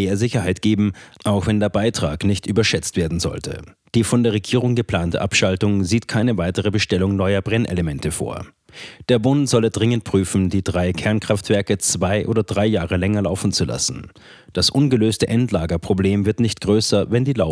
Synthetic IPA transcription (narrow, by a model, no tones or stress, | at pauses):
eːɐzɪçɐhaɪtɡ̥eːbm̩ʔaʊxv̥ɛndeːɐbaɪtʁ̥a̰ːknɪçtʔyːbɐʃɛt͡stv̥eːɐdn̩zɔ̰ltʰə̰ | d̥iːfɔndeːɐʁeɡiːʁʊŋɡəpl̥aːntəʔapʃaltʊŋziːtkʰaɪnəvaɪtəʁəbəʃtɛlʊŋnɔʏɐbʁɛnʔḛləmɛntəfo̰ːɐ | d̥eːɐbʊntz̥ɔlədʁɪŋənt̚pʁ̥yːfn̩diːdʁaɪkʰɛɐnkʁ̥aftv̥ɛɐkət͡sv̥aɪʔo̰ːdɐdʁaɪjaːʁəlɛŋɐlaʊfn̩t͡sula̰sn̩ | d̥asʔʊnɡəløːstəʔɛntlaːɡɐpʁ̥obleːmvɪɐtnɪçtɡ̥ʁøːsɐvɛndiːlaʊ